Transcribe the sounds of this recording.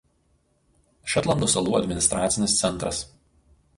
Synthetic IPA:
ʃɐt̪lˠɐnd̪oːsɐlˠuːɐd̪ʲmʲɪnʲɪst̪ɾɑːt̪sʲɪnʲɪst̪sʲɛnˑt̪ɾɐs

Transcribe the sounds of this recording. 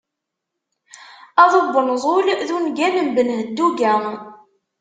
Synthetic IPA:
ɑðˤobːənzˤolðunɡænəmbənɦəd̪ːuɡæ

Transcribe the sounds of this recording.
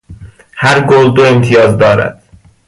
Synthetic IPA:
hæɾɡold̪oe̞mt̪ʰijɒːzd̪ɒːɾæ̰d̪̥

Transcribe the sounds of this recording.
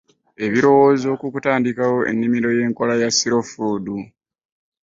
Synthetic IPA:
e̞βiɾo̞wo̞ːzo̞ːkukutaːndikawo̞ʔe̞̰nːimiɾo̞je̞ːŋko̞lajasiɾofudu

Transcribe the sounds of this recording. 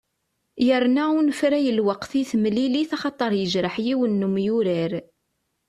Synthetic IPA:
jəɾnæunfɾæjəlwɑqθiθmliliθɑχɑt̪ˤːəɾˤjəʒɾəħjiwənːumjuɾæɾ

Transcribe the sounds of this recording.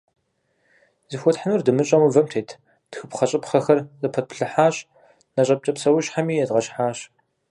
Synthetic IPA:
zɨxʷɔtħanurdɨmɨɕʼɐmɨvɐmtʰeːtʰ | d̥xɨpχɐɕʼɨpχɐxɐrzɐpʰɐt̚pʰɬɨħaːɕʼ | nɐɕʼɐp̚t͡ʃʼɐpsɐwʊɕħamiːjɛdʁɐɕħaːɕ

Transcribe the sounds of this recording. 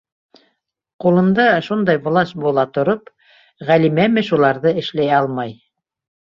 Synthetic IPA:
qulˠɤ̆nd̪ɑʃund̪ɑjbŭlˠɑʃbulˠɑt̪ŏɾop | ʁælimæmɘʃulˠɑɾðɤɘ̆ʃlæjɑlˠmɑj

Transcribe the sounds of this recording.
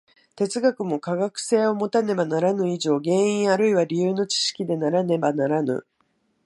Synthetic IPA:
t̪e̞t͡sɨɡakɯ̟mo̞kaɡakɯ̟̥se̞ːo̞mo̞t̪ane̞banaɾanɯ̟iʑo̞ːɡẽ̞ɰ̃ĩɰ̃aɾɯ̟iβaɾʲijɯːno̞t͡ɕi̥ɕi̥kʲid̪e̞naɾane̞banaɾanɯ̟̰

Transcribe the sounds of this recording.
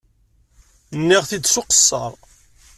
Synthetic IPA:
nːiʁθid̪sʊqə̥sːɑ̰ɾˤ

